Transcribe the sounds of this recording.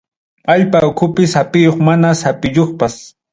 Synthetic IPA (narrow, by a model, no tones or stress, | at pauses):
aʎpaʊkʰʊpɪsapɪjoχmanasapɪjoχpas